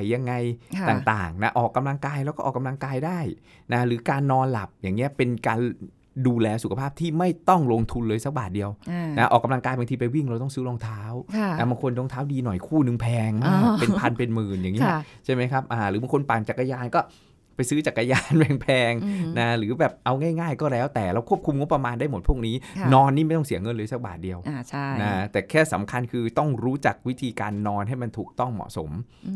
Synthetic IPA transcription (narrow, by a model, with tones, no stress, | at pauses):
jːa˧ŋːa˧jt̪aː˨˩ŋt̪a̰ː˨˩ŋna˦˥ʔɔː˨˩kːa˧mla˧ŋkaː˧jɾɛː˧˦˥wkɔ˥ʔɔː˨˩kːa˧mla˧ŋkaː˧jdaː˥˩j | na˦˥ɾɯː˩˦kaː˧nːɔː˧nla̰˨˩p̚jaː˨˩ŋːi˦˥ɐpe˧nkaː˧n | duː˧lɛː˧su˨˩kʰa˧pʰaː˥˩p̚t̪ʰiː˥˩ma˥˩jt̪ɔ˥˩ŋloː˧ŋt̪ʰu˧nlɤː˧jsa˦˥k̚baː˨˩t̪̚di˧əwna˦˥ʔɔ̰ː˨˩ka˧mla˧ŋkaː˧jba˧ŋt̪ʰiː˧pa˧jwi˥˩ŋɾa˧wt̪ɔ˥˩sɯː˦˥loː˧ŋt̪ʰaː˦˥wʰɛ˦˧˩ba˧ŋkʰo˧nlo˧ŋt̪ʰaː˦˥wdiː˧nɔ˨˩jkʰuː˥˩nɯ˧ŋpʰɛː˧ŋmaː˥˩k̚pe˧pʰa˧npe˧nmɯː˨˩njaː˨˩ŋːi˦˥ɐt͡ɕʰa˥˩jma˦˥jkʰa˦˥p̚ʔaː˨˩ɾɯː˩˦ba˧ŋkʰo˧npaː˨˩nt͡ɕa˨˩kːa˧jaː˧nkɔː˥˩ | pa˧jsɯː˦˥t͡ɕa˨˩kːa˧jaː˧nwɛ˨˩ŋpʰɛː˧ŋna˦˥ɾɯː˩˦bɛː˨˩p̚ʔa˧wŋaː˥˩jŋaː˥˩jkɔː˥˩lɛː˦˥wt̪ɛː˨˩ɾa˧wkʰu˥˩əp̚kʰu˧mŋo˦˥pːɾa˧maː˧ndaː˥˩jmo˨˩t̪̚ʰu˥˩k̚niː˦˥nɔː˧nːiː˥˩ma˥˩t̪ɔ˥˩ŋsi˩˦ɐŋɤ˧nlɤː˧sa˨˦k̚ba̰ː˨˩t̪̚di˧əwʔa˧˩t͡ɕʰa˥˩na˦˥t̪ɛː˨˩kʰɛː˥˩sa̰˩˦mkʰa˧nkʰɯː˧t̪ɔ˥˩ŋɾuː˦˥t͡ɕa˨˩k̚wi˦˥t̪ʰiː˧kaː˧nːɔː˧nha˥˩jma˧nt̪ʰuː˨˩k̚t̪ɔ˥˩ŋmɔ̰˨˩ʔso̰˩˦m